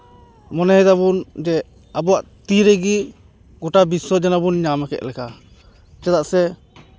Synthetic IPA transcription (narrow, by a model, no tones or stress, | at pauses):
mɔnɛɦɛd̪aβund͡ʒɛ | abuaʔt̪iɾɛɡi | ɡɔʈabisɔd͡ʒanabunɲamɛkɛ̰ʔ̪̚lɛka | t͡ʃɛd̪aʔsɛ